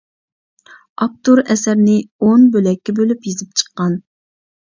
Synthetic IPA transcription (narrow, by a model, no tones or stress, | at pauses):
ɑp̚t̪uɾɛsæɾnɪonbølɛkʲːɛbølypjizɪp̚t͡ʃʰə̥qːɑn